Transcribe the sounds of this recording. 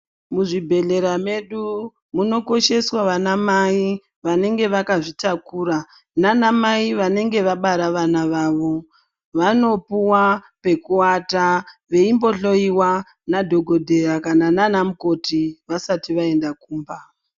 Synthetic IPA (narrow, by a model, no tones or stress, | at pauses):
muʐibʱe̞ɮe̞ɾame̞ɗu | muno̞ko̞ʃe̞swaʋanamai | ʋane̞ŋɡe̞ʋakaʐitakuːɾa | nanamaiʋane̞ŋɡe̞ʋaɓaɾaʋanaʋaːʋo̞ | ʋano̞puwape̞kuwataʋe̞imbo̞ɬo̞iwa | nadʱo̞ɡʱo̞dʱe̞ɾakanananamuko̞tiʋasatiʋae̞ndakuːmba